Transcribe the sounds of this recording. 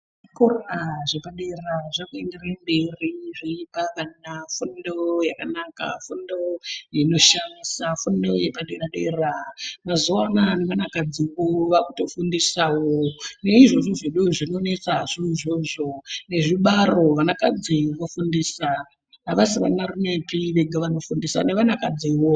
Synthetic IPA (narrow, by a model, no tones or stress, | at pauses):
ʐikoraʐepaɗeraʐakuenderamberiʐiipakanafundojakanaka̰fundo̞jino̞ʃamisafundojepaɗeaɗeramazuwananeʋanakad͡ziwoʋakuto̞fundisawone̞iʐo̞ʐoʐeɗuʐino̞ne̞t͡saʐoiʐoʐo̞ne̞ʐiɓaro̞ʋanakad͡ziʋofundiːsa | naʋasiʋanarumepiʋeɡʱaʋano̞fundisa̰ne̞ʋanakad͡ziwo